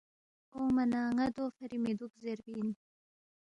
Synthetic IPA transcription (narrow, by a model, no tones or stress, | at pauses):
omanɑːŋad̪oːfɐɾimed̪ukzeɾbin